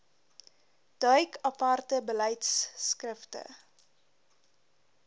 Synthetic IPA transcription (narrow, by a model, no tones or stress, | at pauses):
d̥œɥkʰɐpɐrtəbəlɛjtsːkrəftə̰